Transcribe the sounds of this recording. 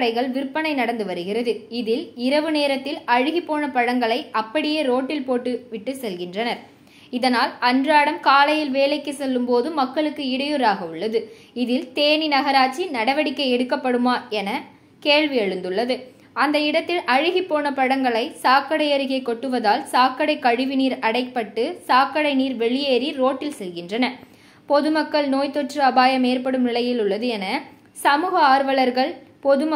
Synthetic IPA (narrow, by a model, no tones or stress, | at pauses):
ɽɐɪɣɐɭʋɪɾpːɐnɐɪnɐɽɐnd̪ɯʋɐɾɯɣɪrɐðɯɪðɪlɪɾɐʋɯneːɾɐt̪ːɪlɐɻɯɣipːoːnɐpɐɻɐŋɡɐɭɐɪʔɐpːɐɽɪjeːɾoːʈːɪlpoːʈːɯʋɪʈːɯsɛlɣɪndrɐnɐɾ | ɪðɐnaːlɐndraːɽɐmkaːlɐjɪlʋeːlɐɪkːɯsɛlːɯmpoːðɯmːɐkːɐɭɯkːɯɪɽɐjɔɾaːɣɐɯɭːɐðɯ | ɪðɪlt̪eːninɐɣɐɾaːt͡ʃːinɐɽɐʋɐɽɪkːɐɪɛɽɯkːɐpːɐɽɯmaːɛnɐ | keːɭʋiɐɻɯnd̪ɯɭːɐðɯ | ɐnd̪ɐɪɽɐt̪ːɪlʔɐɻɯɣipːoːnɐpɐɽɐŋɡɐɭɐɪsaːkɐɽɐɪjɐɾɪɣɐɪkːɔʈːɯʋɐðaːlsaːkːɐɽɐɪkːɐɻɯʋɪniːɾɐɽɐɪpːɐʈːɯsaːkːɐɽɐɪniːɾʋɛɭɪjeːɾiɾoːʈːɪlsɛlɣɪndrɐnɐ | pɔðɯmɐkːɐɭnoːjt̪ɔʈrɯɐbaːjɐmeːɾpɐɽɯmnɪlɐjɪlʊɭːɐðɯɛnɐ | sɐmuːɣɐaːɾʋɐɭɐɾɣɐɭpɔðɯm